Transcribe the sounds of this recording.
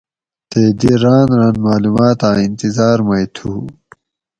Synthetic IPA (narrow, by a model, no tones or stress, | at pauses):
t̪eːd̪iɾaːnɾaːnmaːluːmaːt̪aːint̪izaːɾmɐjt̪ʰuː